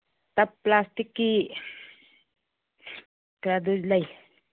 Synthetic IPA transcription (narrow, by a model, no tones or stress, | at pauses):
t̪apːlastikːi | kɾad̪ud͡ʒlaj